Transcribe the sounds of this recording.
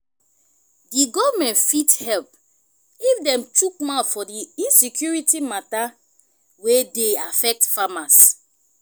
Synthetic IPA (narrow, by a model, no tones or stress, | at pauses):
diɡɔvmɛ̃ntfithɛlp̚ | ifdɛ̃mtukmatfɔdiĩnsikʰjuɹitimata | wedeafɛk̚tfamas